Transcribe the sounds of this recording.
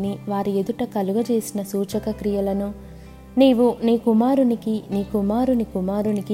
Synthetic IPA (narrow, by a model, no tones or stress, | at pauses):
niʋaːɾied̪uʈɐkɐluɡɐt͡ʃe̞ːsinɐsuːt͡ʃɐkɐkɾijɐlɐnu | niːʋuniːkumaːɾunikiniːkumaːɾunikumaːɾuniki